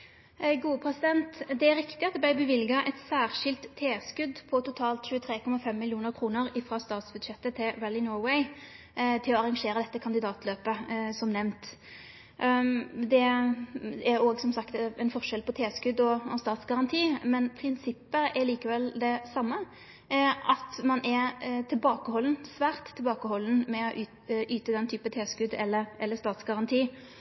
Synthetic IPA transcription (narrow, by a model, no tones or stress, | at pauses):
ɡuːəpʰʁɛsɪd̪ɛnt̪d̪ɛæɾɪkt̪ɪɑt̪̚d̪ɛbæɪbəʋɪlɡɑʔɛt̪sæːʁʂɪlt̪ʰːeːskʉd̪pʰɔt̪ʊt̪ʰɑːlt̪ɕʉːət̪ʰɾeːkʰɔmɑfɛmːɪljuːnəɾkʰʁuːnəɾɪfɾɑst̪ɑːt̪sbʉd̪ʃɛt̪ːət̪ʰɪɹɛlːɪnɔːɹwɛɪ | t̪ʰɪlɔɑʁɑŋʂeːɾəd̪ɛt̪ːəkʰɑnd̪ɪd̪ɑːt̪løːpəsɔmnɛʋnt̪ | d̪ɛ | æɾoːɡsɔmsɑkt̪ɛnfɔʁʂɛlpʰɔt̪ʰeːskʉd̪ɔɔst̪ɑːt̪sɡɑʁɑnt̪ʰiːmɛnpʰɾɪnsɪpːəɛliːkəʋɛld̪ɛsɑmːə | ʔɑt̪mɑnʔɛɾt̪ʰɪlbɑːkəhɔlnsʋæːʁt̪ʰːɪlbɑːkəhɔln̩mɛɔʔ | yːt̪əd̪ɛnt̪ʰyːpət̪ʰeːskʉd̪ɛlːəɾʔɛlːəst̪ɑːt̪sɡɑʁɑnt̪ʰiː